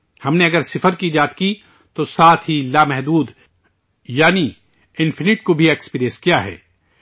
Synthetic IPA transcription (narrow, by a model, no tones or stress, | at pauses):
hɐmneɐɡəɾsɪfəɾkid͡ʒaːt̪ki | t̪osaːt̪ʰɦilamɛɦd̪uːd̪ | jaːni | ɪ̃nfɪnɪʈkobʱiekspiːɾiẽə̃skijaɦɛ̰ː